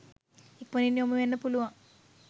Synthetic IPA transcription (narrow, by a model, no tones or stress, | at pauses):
ikːoninːiomːɐʋenːɐpuluʋã